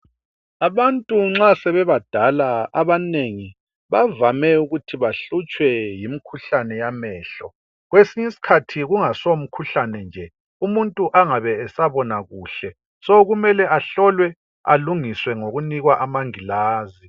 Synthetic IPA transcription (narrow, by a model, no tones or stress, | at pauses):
aβantʼuŋ͡ǁasɛβɛβad̥ʱalaaβaneŋi | βavamɛuɣutʰiβaɬut͡ʃʼwɛjimikʰuɬanɛjamɛːɬɔ | ɣwesiɲisi̥kʰatʰiɣuŋasom̩kʰuɬanɛnd͡ʒʱɛ | umuntʼuʔaŋaβɛːsaβɔnaɣuːɬɛ | sɔɣumɛlɛʔaɬɔlwɛ | a̰luŋiswɛŋoɣuniɣwaʔamaŋilaːzi